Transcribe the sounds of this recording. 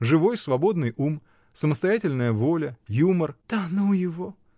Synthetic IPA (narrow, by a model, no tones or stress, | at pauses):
ʐɨvo̞jsvɐbo̞d̪nɨjum | səməst̪ɐjætʲɪlʲnəjəvo̞lʲəjumərt̪ɐnujɪvo